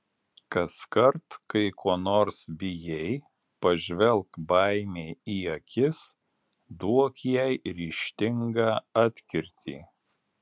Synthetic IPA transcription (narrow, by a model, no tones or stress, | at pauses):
kɐskɐɾt̪kɐɪkʰuɔnoːɾsbʲɪjɛɪ | pɐʒʲʋʲɛlˠˑkbɐˑɪmʲeːiːɐkʲɪs | d̪uɔkjɛɪɾʲiːʃʲt̪ʲɪŋɡɑːɑːt̪ʲkʲɪɾʲt̪ʲḭː